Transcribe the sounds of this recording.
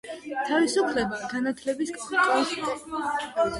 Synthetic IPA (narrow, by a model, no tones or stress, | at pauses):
t̪ʰavisupʰlɛbaɡ̥anat̪ʰlɛbisɡaχt̪ʼɔs